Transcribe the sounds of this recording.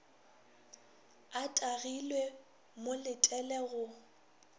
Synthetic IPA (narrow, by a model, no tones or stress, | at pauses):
atʼaɣilwe | molɪtʼɛlɛɣʊ